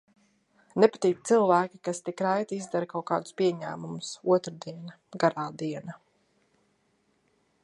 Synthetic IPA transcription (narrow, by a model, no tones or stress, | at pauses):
nepḁt̪iːt̪̚t̪silˠvæːkʲikast̪ikɾajt̪izd̪aɾkawka̰ːd̪ʊspiɛɲæ̰ːmumʊsuɔt̪ɾad̪iɛna | ɡaɾaːd̪iɛna